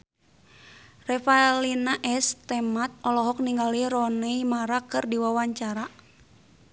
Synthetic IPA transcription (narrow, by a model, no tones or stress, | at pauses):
rɛfalinaʔɛst̪ɛmat̪̚ɔlɔɦɔk̚niŋɡaliɾɔnɛimaɾakɨrdiwawaɲt͡ʃaɾa